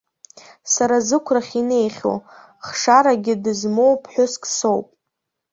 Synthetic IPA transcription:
saɾazɨkʷʰraχʲine̞jχʲo̰ | χʂaɾaɡʲɪdɨzmo̞wpʰħʷᶣʊskʼso̞wpʼ

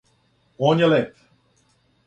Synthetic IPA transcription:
oːnjɛlep

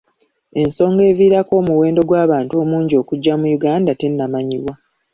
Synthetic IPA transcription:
e̞nso̞ːŋɡe̞ːviːɾako̞ːmuwe̞ːndo̞ɡwaːβaːntuomuːɲɟio̞ːkuɟːamujuɡaːndate̞nːamaɲiβwa

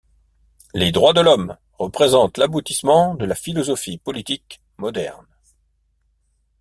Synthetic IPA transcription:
led̪ʁwad̪əlɔm | ʁəpχezɑ̃t̪labut̪ismɑ̃d̪əlafilɔzɔfipɔlit̪ik | mɔd̪ɛ̰ʁn

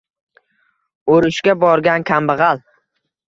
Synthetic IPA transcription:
oɾɪʃkʲabɒɾɡʲankʲʰambɨʁɑlˠ

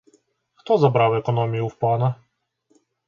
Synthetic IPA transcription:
xt̪ɔzabɾawɛkɔnɔmʲijuwpˠanɐ

